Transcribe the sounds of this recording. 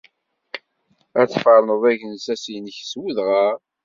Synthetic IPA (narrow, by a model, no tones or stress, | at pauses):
æt͡sːfəɾˤnəðˤæʝənsæsinəçswuðʁa